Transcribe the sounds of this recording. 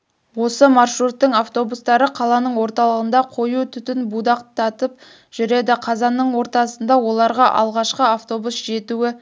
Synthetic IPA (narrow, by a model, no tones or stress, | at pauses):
wo̞səmɑrʃɾut̪ːəɴaft̪o̞bust̪ɑɾəqʰɑlˠɑnəɴwo̞ɾt̪ɑlˠəʁənd̪ɑqʰo̞jut̪ʰʏt̪ɪnbud̪ɑqt̪ʰɑt̪əp̚ | ʒ̥ʏɾe̞d̪ɪqʰɑzɑnːəɴwo̞ɾt̪ɑsənd̪ɑwo̞lˠɑɾʁɑʔɑ̰lˠʁɑʃqəaft̪o̞busʒe̞t̪uɪ